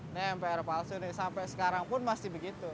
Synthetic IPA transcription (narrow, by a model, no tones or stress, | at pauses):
nɛmpɛɾopalsʊnɪsampɛsə̥kaɾaŋpʊnmast̪ibəɡit̪u